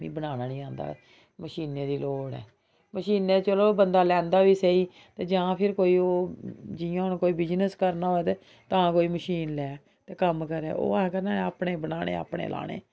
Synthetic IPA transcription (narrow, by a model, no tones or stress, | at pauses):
ʋḭːbənaːnaːnĩːãːnd̪a̰ː | məʃiːneːd̪iːloːɽɛ̰ː | məʃiːnet͡ʃəloːbənd̪aːlɛ̃ːnd̪aːʋiːsəiː | t̪eːd͡ʒãːpʰɪɾkoːiːoːd͡ʒɪjãnũːkoːiːbɪd͡ʒnəskəɾnaːoet̪eː | t̪ãːkoːiːməʃiːnlɛː | t̪eːkəmkəɾɛ̰ːo̰ːãkəɾnaːaːpɳeːbənaːñḛːa̰ːpɳḛːlʔa̰ːɽ̃ḛː